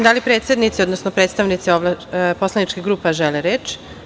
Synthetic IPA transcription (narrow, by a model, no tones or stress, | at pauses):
d̪alipɾe̞ːt̪sed̪nit̪sio̞d̪nosnopɾe̞ːt̪st̪aʋnit̪sioʋlapo̞slˠanit͡ʃkiɡɾuːpaʒeleɾet͡ʃ